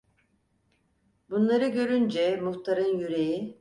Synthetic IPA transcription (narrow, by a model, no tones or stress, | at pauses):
bunlˠaɾɯɟø̞ɾynd͡ʒɛmuxt̪ʰaɾɯnjyɾeji